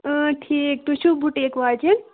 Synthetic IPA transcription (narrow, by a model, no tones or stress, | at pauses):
əʈʰiːk̚t̪uʃubʱuʈekʋaːd͡ʒen